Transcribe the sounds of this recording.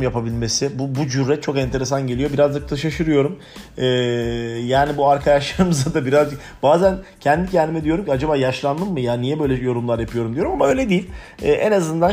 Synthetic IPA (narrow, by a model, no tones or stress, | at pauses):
mjapabilʲme̞sɪbubud͡ʒyɾːɛt̪̚t͡ʃʰo̞kɛnt̪ʰe̞ɾesanɟe̞lʲijo̞biɾazd͡ʒɯkt̪ʰaʃaʃɯɾɯjo̞ɾum | ɛːjaːnibuaɾkʰad̪aʃlˠaɾɯmɯzad̪abiɾazd͡ʒɯk | b̥aːzæncʰɛnd̪icʰɛnd̪imɛd̪ijo̞ɾumcʰiad͡ʒabaːjaʃlˠand̪ɯmːɯjaːnijɛbø̞jlʲɛjo̞ɾumlˠaɾjapʰɯjo̞ɾumd̪ijo̞ɾumamaø̞jlʲɛd̪ijilʲɛːʔenazɯnd̪an